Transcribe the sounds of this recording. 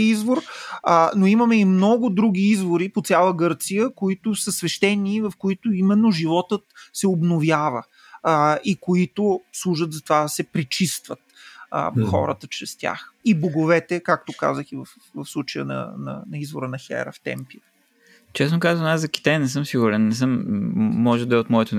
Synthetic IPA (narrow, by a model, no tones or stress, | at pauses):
izvoɾənoiməmɛimnɔɡʊd̪ɾuɡʲiizvoɾipot̪sʲalˠəɡɤɾt̪sijəkoit̪ʊsəsvɛʃt̪ɛniːvɐfkoit̪ʊimɛnːoʒivɔt̪ət̪sɛobnovjavə | ikoit̪ʊslˠuʒət̪zɐt̪ovad̪ɐsɛpɾit͡ʃist̪vət̪ː | xɔ̰ɾə̰t̪ət͡ʃɾɛst̪ʲja̰xiboɡovɛt̪ɛkak̚t̪oka̰zəxivəf | vɐfslˠut͡ʃəjə̰nɐ̰nɐ̰nɐizvoɾənɐxɛ̰ɾə̰ft̪ɛ̰mpi | t͡ʃɛsnokaznaszɐkʲi̥t̪ajnɛs̬ɤmsiɡʊɾɛnnːɛs̬əmː | ɔʒɛd̪ɐɛot̪mɔɛt̪o